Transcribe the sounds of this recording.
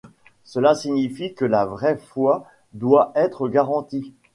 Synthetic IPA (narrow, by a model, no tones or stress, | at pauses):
səlasiɲifikəlavʁɛfwa | d̪waʔɛt̪χəɡaʁɑ̃t̪i